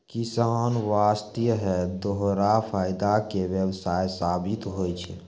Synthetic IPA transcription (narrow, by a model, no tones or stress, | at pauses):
kisənʋaːst̪ijɦɛd̪oɦɾapʰaːjd̪akewjəwsaːjsaːbit̪ɦojt͡ʃʰɛ